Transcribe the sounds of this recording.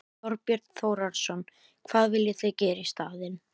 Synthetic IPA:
ɔɾpjɛɾt̪θowɾaɾsɔn | kʰvaːðvɪljɪθeɥcɛːɾɪist̪aːðɪn

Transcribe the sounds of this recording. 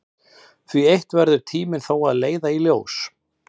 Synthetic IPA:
θviejht̪vɛɾðʏɾ̥t̪ʰiːmɪnθaːwaðleːjðailjo̰ːws

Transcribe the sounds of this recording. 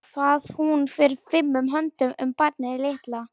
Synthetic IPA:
faːð̥hunfɪːɾɪɾfɪmːʏmɦœnt̪ʏmʏmpaɾt̪nɪðɪleht̪la

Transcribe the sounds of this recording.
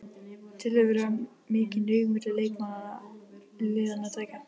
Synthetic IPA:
t̪ʰɪlavɛːɾa | mɪːcɪnœːɣmɪt̪lɪlejkmað | lɪːðanːat̪ʰaːjkan

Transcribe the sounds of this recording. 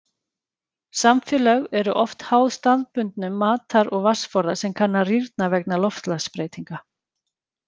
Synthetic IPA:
samfɪlœɣɛɾʏʔɔft̪haːwðst̪aðpʏnt̪nʏmːaːt̪aɾɔɣvasfɔɾðasɛmkʰanːariɾt̪̚navɛknalɔft̪laspɾeːjt̪iŋka

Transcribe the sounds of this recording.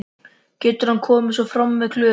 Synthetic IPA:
cɛːt̪ʏɾ̥hankʰɔːmɪsɔfɾamvɛðkʰlʏː

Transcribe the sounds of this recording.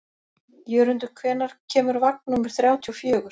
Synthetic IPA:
jœːɾʏnt̪ʏ̥kʰvɛːnaɾ̥cʰɛːmʏɾvak̚nnumɪɾ̥θɾjaːwt̪ʰiɔfjœːɣʏɾ̥

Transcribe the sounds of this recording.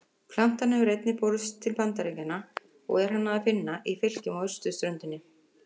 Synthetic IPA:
pʰlam̥t̪anːhɛvʏɾejt̪nɪpɔɾst̪ʰːɪlpant̪aɾeɲcanːa | ɔ̰ɣɛɾ̥hanːaafɪnːaʔifɪl̥cɪmɔʏr̥st̪ʏst̪ɾʏnt̪ɪnːɪ

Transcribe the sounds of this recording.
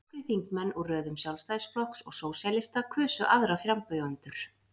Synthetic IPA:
ɾɪθiŋkmɛnːɔɣrœːðʏmsjawlst̪ajsflɔhksɔ̰ɣsoːwsalɪst̪akʰʏːsʏʔaðɾafɾamkœjœnt̪ʏɾ̥

